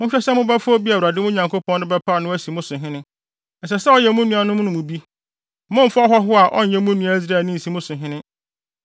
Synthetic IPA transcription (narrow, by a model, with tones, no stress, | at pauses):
mʊ̃˦ɕᶣɛ˦sɛ˦mʊ̃˦ba˦fʊ˦ɔ˦bi˦a˨wɾa˨dɪ˦mʊ̃˦ɲã˨ŋkʰo˦pʰɔ̃˦n˦ɪ̃˦bɛ˦pʰa˦˨nʊ̃˦æ˦si˨mʊ̃˦sʊ̃˨ɦɪ̃˦nɪ̃˦ | n̩˨sɛ˨sɛ˦ɔ˦jɛ˨mʊ̃˦nũ˦a˨nʊ̃˦m̃˦nʊ̃˦mũ˨bi˦ | mʊ̃˦m̩˨fa˦ɔ˦ɦɔ˦ɦʊ˦a˨ʔɔ̰˦n̩˨jɛ̃˦mũ˦nũ˦æ˦zɾa˨nĩ˦n̩˨si˨mʊ̃˦sʊ̃˨ɦɪ̃˦nɪ̃˦